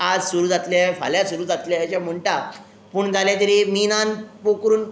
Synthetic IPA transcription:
ad͡zsuɾuːd͡zat̪ljafa̰ljasuɾuːd͡zat̪ljajat͡ɕam̤əɳʈa | puːɳd͡zaljat̪əɾeminanpokɾuːn

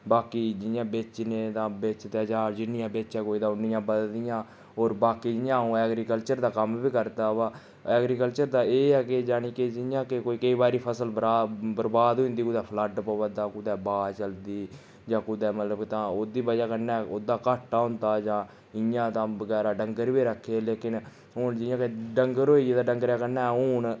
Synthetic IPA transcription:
baːkiːd͡ʒɪjãːbet͡ʃnẽːt̪ãːbeːt͡ʃt̪ɛːd͡ʒãːd͡ʒɪnːɪjãːbeːt͡ʃɛːkoːiːd̪ãːʊnːɪjãːbəd̪d̪ɪjãː | oːɾbaːkiːd͡ʒɪjãːũːɛːɡɾiːkəlt͡ʃəɾd̪aːkəmbiːkəɾt̪aːpãː | ɛːɡɾiːkəlt͡ʃəɾd̪aːeːɛːked͡ʒaːɽ̃iːked͡ʒɪjãːkekoːiːkəiːbaːɾiːpʰəsəlbəɾaːbəɾbaːd̪ɦõiːnd̪iːkʊd̪ɛːpʰləɖpəʋəd̪aːkʊd̪ɛːbaːt͡ʃəld̪iː | d͡ʒãːkʊd̪ɛːmət̪ləbkt̪ãːoːd̪iːbəd͡ʒaːkəɾnaːoːd̪aːkaːʈːaːɦʊ̃nd̪aːd͡ʒãː | ɪjãːt̪ãːbəɡɛːɾaːɖəŋɡəɾbiːɾəkʰːeːleːkɪn | ɦʊnd͡ʒɪjãːkeɖəŋɡəɾoːied̪aːɖəŋɡəɾjaːkəɾnaːɦʊːɳ

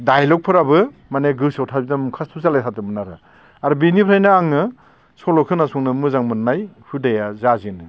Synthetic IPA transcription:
dajlɔk̚pʰɯɾabɯmaneɡɯsawtʰabitamukʰastʰusalajtʰatɯmɯnaɾɯ | aɾubinipʰɾajnɯaŋɯ | sɔlɔkʰɯnasuŋnɯmɯzaŋmɯnnːajhudajazazinɯ

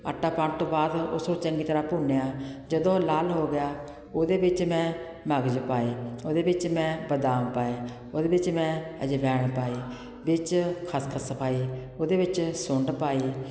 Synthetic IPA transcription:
ə̰ʈʰːaːpãːʈ̚t̪õːbaːd̪ʊ̰sɾõːt͡ʃəŋɡiːt̪əɾaːpuːneːaːd͡ʒəd̪õːlaːlɦoːɡɪjaː | oːd̪eːbɪt͡ʃmɛ̃ː | məɡd͡ʒpaːiːoːd̪eːbɪt͡ʃmɛ̃ːbəd̪aːmpaːeː | oːd̪eːbɪt͡ʃmɛ̃ːəd͡ʒeːbɛːɳpaːiː | bɪt͡ʃkʰaːskʰasəpʰaːiː | oːd̪eːʋɪt͡ʃsʊɳɖpaːiː

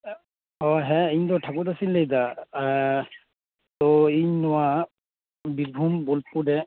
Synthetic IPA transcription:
ɔɦɛ̃iɲt̪ɔʈʰakut̪asilːejd̪a | t̪ɔiɲnɔwa | biɾbʱumbolpuɖɛ

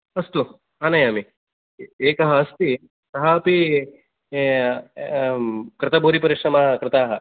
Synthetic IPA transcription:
ɐst̪u | aːnɐjami | eːkɐɦɐɐst̪i | sɐɦɐpi | kɾɪt̪ɐbʱuːɾipɐɾiʂɾɐmaɦɐkɾɪt̪aːɦɐ

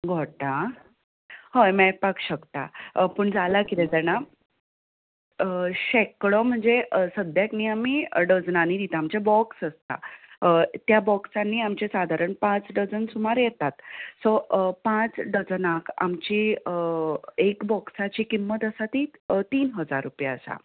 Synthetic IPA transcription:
ɡʱoʈa | həjmɛpakɕəkt̪a̰pəɳd͡zalakit̪ẽt̪ɛna | əɕekɭɔm̤əɳd͡zesəd̪ʱjakniːamiːɖəd͡znaniːd̪it̪aːmt͡ɕebɔksəst̪a̰ət̪jabɔksanːiːamt͡ɕesad̪ʱaɾəɳpãt͡sɖəd͡zənsumaɾjɛt̪at̪sɔpãt͡sɖəd͡znaka̰mt͡ɕiːəekbɔksat͡ɕiːkimːət̪əsat̪it̪iːnɦəd͡zaɾːupjaəsa̰

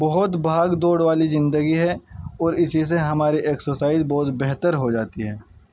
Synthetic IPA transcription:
bɔɦʊt̪bʱaːɡd̪oːɽʋaːlizɪ̃nd̪əɡiɦɛɔːɾɪsis̬eɦɐmaːɾiʔeːksosaːɪzbɔɦʊt̪bɛɦt̪əɾɦod͡ʒaːt̪iɦɛː

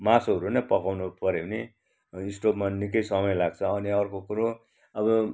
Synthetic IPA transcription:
masoɦʌɾunʌpʌkawnupʌɾewne | isʈopmanikʌjsʌmʌjlaɡ̚t͡sʰʌːniʌrkokuɾo | ʌbʌ

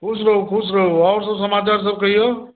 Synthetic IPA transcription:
kʰusɾəɦukʰus̬ɾəɦuawɾs̬əbsəmaːt͡ʃaɾs̬əb̚kəɦijo

